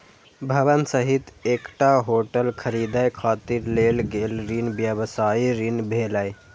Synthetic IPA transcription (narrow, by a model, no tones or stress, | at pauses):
bʱəʋənsəɦit̪eːkʈaɦoːʈəlkʰəɾiːd̪ajkʰaːt̪iɾleːlɡeːlɾinbjəʋsaːiɾinbʱeːlaj